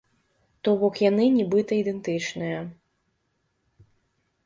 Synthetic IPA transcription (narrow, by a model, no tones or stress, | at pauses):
t̪ɔbɔkjanɨnʲibɨt̪ɐid̪ɛnt̪ɨt͡ʂnɨjɐ